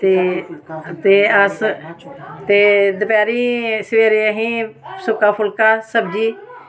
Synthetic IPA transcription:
t̪eː | t̪eːas | t̪eːd̪əpjaːɾiːsʋeːɾeːəɦĩːsʊkaːpʰʊlkaːsəbd͡ʒiː

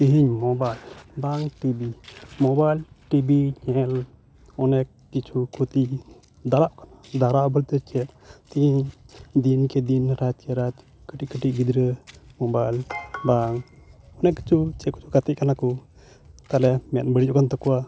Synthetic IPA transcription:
t̪iɦiɲmɔbajlbaŋʈibimɔbajl | ʈibiɲɛl | ɔnɛkːit͡ʃʰukʰot̪iʔ | d̪aɾaʔkanad̪aɾaʔbəlt̪əkɛt̪t̪iɦiɲd̪inkɛd̪inɾat̪̚kɛɾat̪ | kəʈiʔkəʈiʔ̚ɡid̪ɾəmɔbajlbaŋ | ɔnɛkːi̥t͡ʃʰut͡ʃɛku̥t͡ʃʰukat̪ɛʔ̚kanakɔ | t̪alɛmɛjanbəɽid͡ʒɔʔkant̪ɔkɔwa

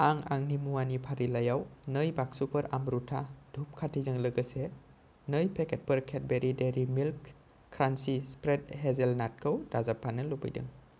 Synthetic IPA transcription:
aŋa̰ŋnimuanipʰaɾilajawnɯjbaksupʰəɾamɾutʰad̥ʱup̚kʰatʰizɯŋlɯɡɯse | nɯjpʰeket̚pəɾkʰet̚beɾideɾimilkːʰ | ɾansispɾet̚ɦezelnat̚kʰəwdazapʰanɯlubɯ̰jdɯ̰ŋ

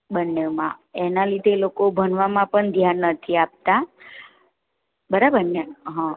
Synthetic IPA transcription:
bənːemãenalid̪ʱelokobʱənʋamãpəɳd̪ʱjanːət̪ʰiap̚t̪a | bəɾabəɾneɦã

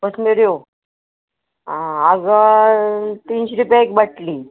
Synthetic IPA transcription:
osmeɾjo | ãaɡ | t̪iːnɕiɾupjaekbəʈliː

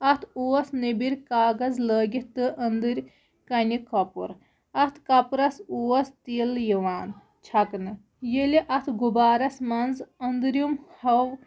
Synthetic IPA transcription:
ɐt̪ʰuːɐsnibiɾʲkaːɡɐzləːɡʲit̪ɨʔɐnd̪ɨɾʲ | kɐnʲikɐpṵɾ | ɐt̪ʰkɐpɾɐsuːɐst̪iljiʋaːn | t͡ʃʰɐknɨ | jeliʔɐt̪ʰɡubaːɾɐsmɐnzɐnd̪ɨɾjumhɐʋ

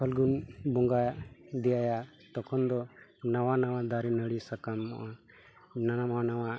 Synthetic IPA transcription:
pʰɔlɡunbɔŋɡad̪ijaja | t̪ɔkʰɔnd̪ɔnawanawãd̪aɾinəɽisakamːɔ̰ʔa | nanamanawa

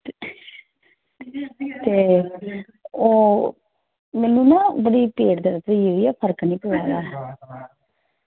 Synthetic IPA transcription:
t̪eː | oː | mɛːnũːnãːbəɽiːpeːʈd̪əɾət̪ioiːɛːpʰəɾknĩːpoːaːlaː

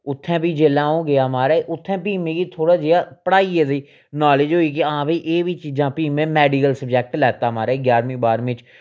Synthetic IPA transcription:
ʊt̪ʰːɛ̃ːpiːd͡ʒeːlãːõːɡɪjaːmaːɾaeʔʊt̪ʰːɛ̃ːpiːmẽːkiːt̪ʰoːɽaːd͡ʒeːaːpəɽaːiːɛziː | naːlɪd͡ʒɦoːiːk̬ɪaãːbiːʔeːʋiːt͡ʃiːd͡ʒãːpiːmẽːmɛːɖikəlsəb̚d͡ʒɛːk̚ʈlɛːt̪aːmaːɾaeɡjaːɾmĩːbaːɾmɪ̃t͡ʃ

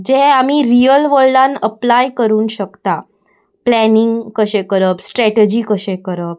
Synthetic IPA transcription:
d͡ʑeamiɾijəlʋəlɖãnəplajkəɾuːnɕəkt̪a | plæniŋɡkəɕẽkəɾəpsʈɾɛʈed͡ʑiːkəɕẽkəɾəp̚

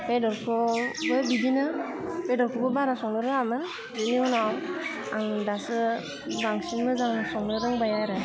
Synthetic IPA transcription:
pedɔɾpʰɔbɯbidinɯ | pedɔɾpʰubɯbaɾasɔŋlɯɾɯŋamɯn | biliɔnɔw | aŋdasɯ | baŋsinmɯzaŋsɔŋlɯɾɯŋbajaɾɛ

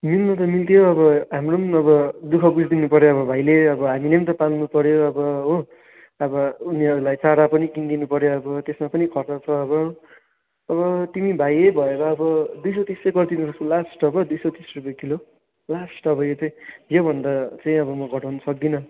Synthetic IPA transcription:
milnʌt̪̬ʌmilt̪ʰijoʌbʌɦamronʌbʌd̪ukʰʌbud͡zʱd̪inupʌɾjoʌbʌbʱajleʌbʌɦaminʌt̪ʌpalnupʌɾjoʌbʌɦõ | ʌbʌuniɦʌɾulajt͡saɽapʌnikind̪inupʌɾjoʌbʌt̪esmapʌnikʰʌrt͡sat͡sʰʌʌbʌː | βʌt̪imibʱajejbʱʌeɾʌːbʌd̪ujsʌt̪isʌɡʌrd̪inusʌsolasʈʌbʌd̪ujsʌt̪isrupʌjekilo | lasʈʌbʌjet͡sʌj̃jobʱʌnd̪at͡saj̃ʌbʌmʌɡʱʌʈʰʌwnʌsʌk̚d̪inʌ

